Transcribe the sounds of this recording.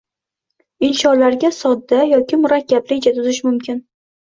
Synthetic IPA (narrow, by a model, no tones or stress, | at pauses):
ɪnʃɒnlaɾɡʲasɒd̪ːajɒkʲɪmʊɾakʲːablɪd͡ʒat̪ʰʊzɪʃmʊmkʲʰɪn